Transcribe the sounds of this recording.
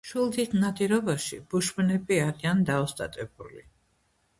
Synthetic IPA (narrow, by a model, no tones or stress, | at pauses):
ʃwilˠd̪it̪ʰnat̪ʼiɾɔbaʃḭb̥uʃbnɛbiaɾiand̪aɔst̪ʼa̰t̪ʼɛbuli